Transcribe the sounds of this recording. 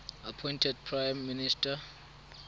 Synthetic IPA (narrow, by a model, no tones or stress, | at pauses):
apʰɔ̃jntʰɛd̚pʰɹajmːinistʰa